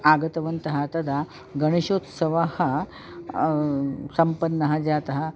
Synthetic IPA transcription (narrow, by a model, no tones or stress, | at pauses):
aɡət̪ɐʋənt̪əɦat̪ɐd̪ʱa | ɡəɽ̃iɕoːt̪sɐʋahɐ | sɐmpənːɐɦɐd͡zat̪ɐɦa